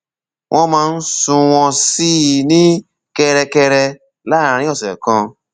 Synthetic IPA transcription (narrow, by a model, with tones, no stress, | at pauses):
ŋʔɔ̃˦mã˧n̩˦sũ˧wɔ̃˧si˦nĩ˦ | ke˧ɾe˨ke˧ɾe˧ | la˦˨ã˨ɾ̃ĩ˦ɔ˨sḛ˨kɔ̃˧